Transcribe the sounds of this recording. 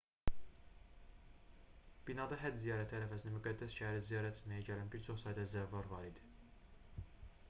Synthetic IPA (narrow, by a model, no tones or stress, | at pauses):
b̥inɑd̪ɑɦæd̪zijɑːɾæt̪ʰhæɾæfæsinæmyɡæd̪ːæsʃææɾizijɑːɾæt̪ʰe̥t̪mæjæɟælænbiɾt͡ʃʰo̞χsɑjd̪ɑzævːɑɾvɑɾid̪i̥